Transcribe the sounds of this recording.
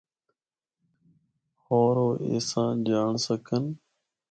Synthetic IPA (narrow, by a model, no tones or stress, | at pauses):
hoːɾoːʔḛːsãːd͡ʒaːɳsəkʰən